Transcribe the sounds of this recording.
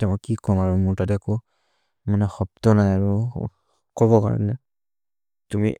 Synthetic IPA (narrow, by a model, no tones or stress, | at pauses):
tɛmakːikɔmaɹumuɹtatɛakɔ | manɛxɔp̚tɔnajaɹu | kɔβɔka̰ɹɔ̰nɛ | tumḭ